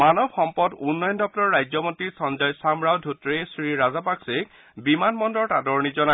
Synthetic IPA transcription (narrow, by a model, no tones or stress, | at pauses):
manɔbxɔmpɔdunːɔjndɔp̚tɔɹːajzɔmontisɔnzɔjsamɹawdʱutɹesɹiɹazapaksek | bimanmɔndɔɹtadɔɹnizɔna